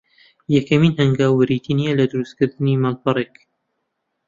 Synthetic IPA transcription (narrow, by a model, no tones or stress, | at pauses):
jɛkɐmiːnhɐŋɡaːwːɨɾit̪ʰinijɛlɐd̪ɨɾust̪kɨɾd̪ɨniːmalpɑrek